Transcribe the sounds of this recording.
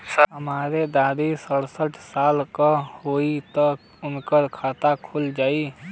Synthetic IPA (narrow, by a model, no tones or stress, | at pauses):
səɦəmaːɾed̪aːd̪isəɽsəʈʰsaːlkahoːit̪ək | ʊnkəɾkʰaːt̪akʰʊld͡ʒaːi